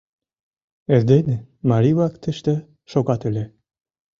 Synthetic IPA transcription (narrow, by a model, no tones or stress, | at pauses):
eɾd̪enemɑɾiβɑkt̪ɘ̆ʃt̪ĕ | ʃoɣɑt̪ø̆lʲe